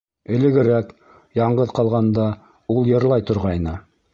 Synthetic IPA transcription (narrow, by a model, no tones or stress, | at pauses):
ɘ̆lɘ̆ɡɘ̆ɾæk | jɑɴɢɤðqɑlˠʁɑnd̪ɑ | ulˠjɤ̆ɾlˠɑjt̪ŏɾʁɑjnɤ